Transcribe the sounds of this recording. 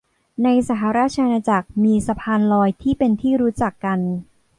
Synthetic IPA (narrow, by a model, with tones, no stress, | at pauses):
na˧jsa˨˩ɦa˩˦ɾaː˥˩t̚t͡ɕʰa˧ʔa˧naː˧t͡ɕa˨˩k̚miː˧sa˧pʰaː˧nlɔː˧jt̪ʰiː˥˩pe˧nt̪ʰiː˥˩ɾuː˦˥t͡ɕa˨˩kːa˧n